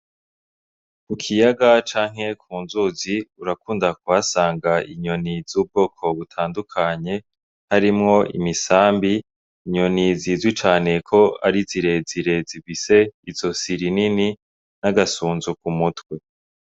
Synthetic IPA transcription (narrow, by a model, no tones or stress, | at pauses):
kukʰijaɡat͡ʃaːŋ̥he̞kʰuːnzuziuɾakuːndakuwasaːŋɡaiɲo̞niz̥uːb̚ɡo̞ːkʰo̞βutʰaːndukʰaɲe̞ | haɾimŋo̞ʔḭmisaːmbiː | ɲo̞niziːzwit͡ʃaːne̞kʰo̞a̰ɾiziɾe̞ziɾe̞zivise̞izo̞siɾinini | naɡasuːnzuk̚umutwe̞